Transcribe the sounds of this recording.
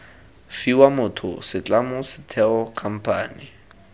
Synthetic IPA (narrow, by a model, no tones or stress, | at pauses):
fiwamʊtʰʊ̰sɪt͡ɬʼamʊsɪ̥tʰɛɔkʰam̩pʰa̰ːni